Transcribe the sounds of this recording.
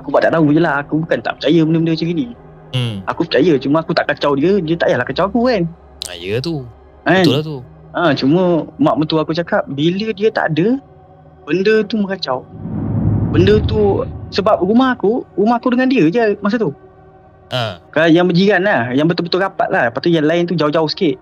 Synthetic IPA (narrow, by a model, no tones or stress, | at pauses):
akubaʔt̪aʔt̪aɦujəlahakubukant̪a̰ʔpə̥t͡ʃajəbəndəbəndət͡ʃəɡini | akupət͡ʃajət͡ʃuməakut̪aʔkat͡ʃawdiədiət̪a̰ʔjahlahkat͡ʃawakukan | a̰jət̪u | kant̪u | ə̃t͡ʃumə̃maʔmət̪uakut͡ʃakap̚bilədiət̪a̰ʔdə | b̥əndət̪uməkat͡ʃaw | bəndət̪usəbap̚rumahakuɾumahakudəŋandiəd͡ʒəmas̬at̪u | əkalajaŋbəd͡ʒiɡanlahjaŋbət̪obət̪oɡapa̰t̪̚lʔahpat̪ujanlaɪnt̪ud͡ʒaʊd͡ʒaʊhsə̥kɪʔ